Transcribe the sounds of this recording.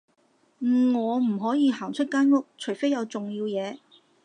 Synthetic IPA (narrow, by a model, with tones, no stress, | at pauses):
m̩˨˩ŋɔː˨˧m̩˨˩ɦɔː˨˥jiː˨˧ɦaː˨˩ŋt͡ʃʰɵ˥t̚kaː˥nŋʊ˥k̚t͡ʃʰɵ˨˩fe˥jɐ˨˧wt͡sʊ˨ŋjiː˧wjɛː˨˧